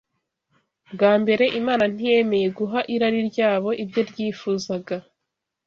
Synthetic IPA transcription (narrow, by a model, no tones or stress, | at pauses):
bɡaːmbe̞ɾe̞ʔimaːnan̥ije̞me̞je̞ɡuɦaʔiɾaɾiɾɟaːβo̞ʔibjo̞ɾɟiːfuːzaɡa